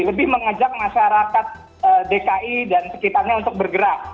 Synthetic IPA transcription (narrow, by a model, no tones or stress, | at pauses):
ləbɪhməŋəd͡ʒak̚maʃaɾakat̪̚ | ədekaʔidansə̥kit̪arɲaunt̪ʊk̚bərɡəɾap̚